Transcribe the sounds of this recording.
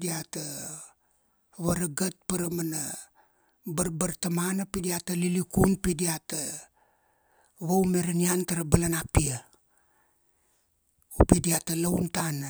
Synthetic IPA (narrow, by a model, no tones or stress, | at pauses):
diata | βaɾaɡat̚paɾamana | baɾbaɾtamanapidiatalilikunpidiata | βawmeɾaniantaɾabalanapia | upidiatalawntana